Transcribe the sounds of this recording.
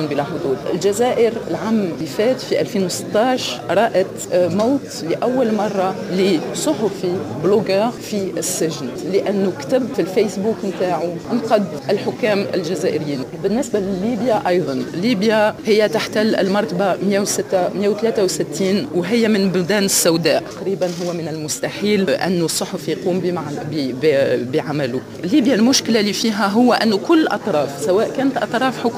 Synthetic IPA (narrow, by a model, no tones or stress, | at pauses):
nbilɑħd̪ˤuːd̪ʔɪ̰lʒæzæːʔɪɾɪlʕamːɪfæːt̪fiʔælfiːnwsɪ̥t̪ˤːɑːʃɾˤɑːʔat̪maːt̪lɪʔæwːalmɑrˤːɑlisˤʊħʊfibloɡəːɣfiɪsːɪʒɪnt̪lɪʔænːukt̪ɪbfilfejsbuːkmt̪aːʕuʔɪmqɑd̪ʔɪlħʊkːæːmɪ̰lʒæzæːʔɪɾɪjiːnbɪnːɪsbalɪlːiːbjaʔɑjðˤɑnlːiːbjahɪjːæt̪aħt̪alːɪ̰lmɑɾˤt̪bamjawsɪt̪ːamjawt̪læːt̪awsɪt̪ːiːnwɦɪjːæmɪnbʊd̪æːnɪsːawd̪æːʔ̪qɾiːbanɦʊwːæmɪnɪlmʊst̪aħiːlʔa̰nːʊsˤːoħofjquːmbaʕbbbiʕamæluʔɪlːiːbjalmʊʃkɪlaliːfiːɦæɦʊwːæʔænːukʊlːʔɑ̰t̪ˤɾˤɑːfsæwæːʔkæːnət̪ʔɑ̰t̪ˤɾˤɑːfħʊkː